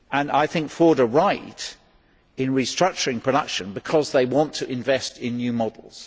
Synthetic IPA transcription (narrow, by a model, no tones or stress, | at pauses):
ə̃naɪθɪ̃ŋkfɔɹɾəɹaɪt | ɪ̃nɹistɹ̥ʌk̚t͡ʃəɹɪ̃ŋpʰɹ̥əɾʌkʃə̃nbɪkʰɒzðeɪwɒ̃ntʰəʔɪ̃ɱvɛstɪ̃nːjʉːmɒdˡl̩ˠz̥